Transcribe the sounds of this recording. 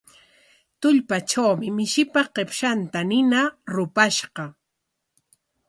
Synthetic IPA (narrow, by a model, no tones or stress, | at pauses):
t̪ʊʎpaʈ͡ʂawmɪmɪʃɪpaqepʃant̪anɪnaɾʊpaʃɢɑ